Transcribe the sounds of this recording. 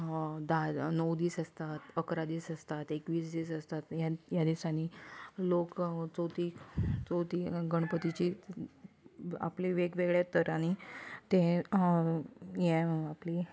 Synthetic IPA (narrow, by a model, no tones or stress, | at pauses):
d̪anəwd̪iːsəst̪at̪əkɾad̪iːsəst̪at̪ekʋiːs̬d̪iːsəst̪at̪jajad̪isaniːlokt͡sot̪iːt͡sot̪iːɡəɽ̃pət̪it͡ɕiː | a̰pliʋeɡʋeɡɭjat̪əɾaɽ̃it̪ẽ | jɛ̃apli